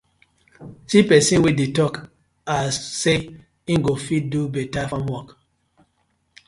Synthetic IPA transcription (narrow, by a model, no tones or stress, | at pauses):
sipɛsĩnwidetɔk | asːe | ĩnɡofit̚dubɛtafãmwɔk